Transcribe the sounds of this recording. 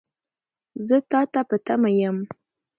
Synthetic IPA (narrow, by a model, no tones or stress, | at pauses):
zɨtatapatʰamajam